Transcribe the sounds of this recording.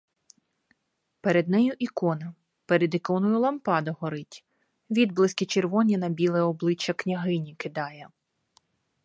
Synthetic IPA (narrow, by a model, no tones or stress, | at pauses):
peɾed̪nɛjʊʔikɔnɐ | peɾed̪ɪkɔnɔjʊlˠɐmpɑd̪ɐɦɔɾɪtʲ | ʋʲid̪̚blˠɪsʲkʲit͡ʃerʋɔnʲinɐbʲilˠɛɔblˠɪt͡ʃːɐknʲɐɦɪnʲikɪd̪ɑjɛ